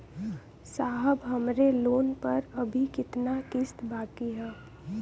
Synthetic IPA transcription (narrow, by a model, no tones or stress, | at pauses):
saːɦəbɦəmɾeloːnpəɾɐbʱikɪt̪nakɪst̪baːkiɦɛː